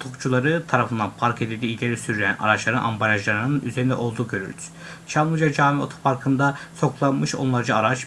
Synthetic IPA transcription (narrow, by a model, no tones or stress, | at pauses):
t̪ʰukt͡ʃulˠaɾɯt̪ʰaɾafɯnd̪anpʰaɾke̞d̪id̪iːilʲeɾisyɾlʲeæ̰na̰ɾat͡ʃlˠaɾɯʔa̰mbalʲaʒlˠaɾɯnɯnʔyze̞ɾind̪ɛ̰ʔo̞lˠd̪uːɟø̞ɾy̰ɾd̪y̥ | t͡ʃʰamlˠud͡ʒad͡ʒaːmio̞̰t̪ʰo̥pʰaɾkʰɯnd̪aso̞klˠanmɯʃo̞̰nlˠaɾd͡ʒaaɾat͡ʃ